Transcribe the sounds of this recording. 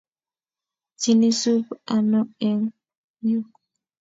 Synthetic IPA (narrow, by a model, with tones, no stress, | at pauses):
t͡ʃi˨ni˦su˦pa˨nɔ˦ɛ˨ŋ | ju˦